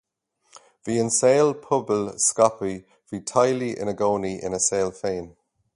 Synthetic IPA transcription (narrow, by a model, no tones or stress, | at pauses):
viːənseːlpʰʊbəlskapi | v̥iːtʰajliʔɪ̰nəɡoːniʔɪ̰nəseːlfeːn